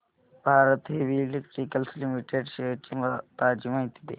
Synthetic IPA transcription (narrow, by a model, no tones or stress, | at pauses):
bʱaːɾət̪ɦebʱilek̚ʈɾiːkəlslimiʈeːɖʃeːkimt̪aːd͡ʒimãĩt̪ʰid̪ḛː